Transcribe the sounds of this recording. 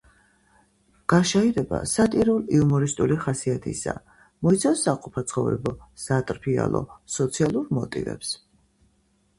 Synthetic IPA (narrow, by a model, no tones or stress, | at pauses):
ɡ̥aʃaiɾɛba̰sat̪ʼiɾuliumɔɾist̪ʼuliχasiat̪ʰḭsa̰ | mɔit̪sʰafsːaqʼupʰat̪sʰχɔvɾɛ̰bɔz̥at̪ʼɾpʰia̰lˠɔ̰sɔt̪sʰialˠuɾmɔ̰t̪ʼḭvɛ̰ps